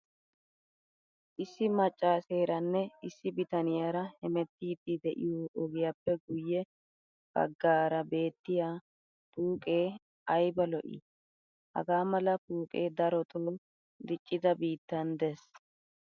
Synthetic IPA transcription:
ʔɪsːɪmɐt͡ʃʼːaːseːɾɐnːɛɪsːɪbɪt̪ɐnɪjaɾɐhɛmɛt̪ːiːd̪ːɪd̪ɛʔɪ̰joːʔɔɡɪjapːɛɡʊjːɛ | b̥ɐ̰ɡːaːɾɐbe̞ːt̪ːɪjaː | puːkʼe̞ː | ɐjbɐlɔʔɪ̰ | hɐ̰ɡaːmɐlɐpuːkʼeːd̪ɐɾɔt̪oː | d̪ɪt͡ʃʼːɪd̪ɐbiːt̪ːɐnd̪ɛs

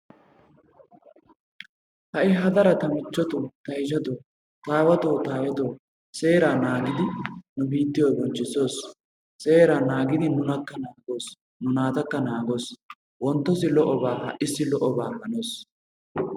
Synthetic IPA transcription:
hɐʔɪɦɐd̪ɐɾɐt̪ɐmɪt͡ʃːɔt̪ot̪ɐjʃɐt̪oː | t̪aːwɐt̪oːt̪aːwɐt̪oː | se̞ːɾaːnaːɡɪd̪ɪnʊbiːt̪ːɪjoːbɔnt͡ʃːɪso̞ːs | se̞ːɾaːnaːɡɪd̪ɪnʊnɐkːɐnaːɡo̞ːs | nʊnaːt̪ɐkːɐnaːɡo̞ːs | wɔnt̪ːɔsɪlɔʔɔbaːhɐʔɪsːɪlɔʔɔbaːhɐnoːs

